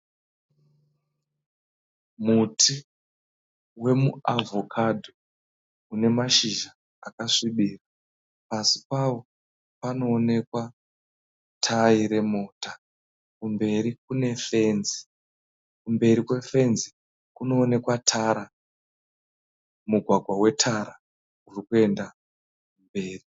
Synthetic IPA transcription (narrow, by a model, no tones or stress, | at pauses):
mutʰi | we̞muavʱo̞kʰadʱo | une̞maʃiʒa | akaʂiɓiːra | pasi̥paʋo̞ | pano̞ːne̞kwa | tʰaiɾe̞mo̞ːta | kumbe̞ɾikune̞fe̞nzi | kumbe̞ɾikwe̞fe̞nzi | kuno̞ːne̞kwatʰaɾa | muɡʱwaɡʱwawe̞tʰaɾa | urikue̞nda | mbe̞ːri